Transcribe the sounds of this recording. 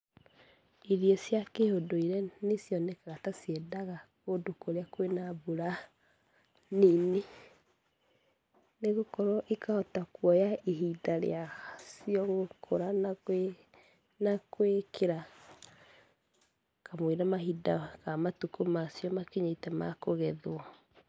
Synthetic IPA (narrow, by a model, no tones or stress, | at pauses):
iɾiesjakehodoiɾɛnesjɔnɛkaɣatasiɛdaɣakodokoɾeakwenaβuɾa | nine | neɣokɔɾɔʔekaɔtakwɔjaiɦidaɾḛaasiɔɣokʰoɾana | nakowekʰeɾa | kamweɾamaɦidaɣamatukumasjɔmakeɲetɛmakoɣɛðoɔ